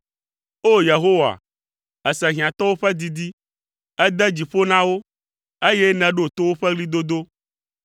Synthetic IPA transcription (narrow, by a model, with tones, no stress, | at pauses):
o˦je˨ɦo˦wa̰˨ | ɛ˨sɛ˨ɦi˨ã˨t̪ɔ˦wo˦ɸɛ˦d̪i˦d̪i˦ | ɛ˦d̪ɛ˦d͡ʑi˨ɸo˦nã˦wo˦ | e˦je˦nɛ̃˨ɖo˦˨t̪o˦wo˦ɸɛ˦ɡli˦d̪o˦d̪o˦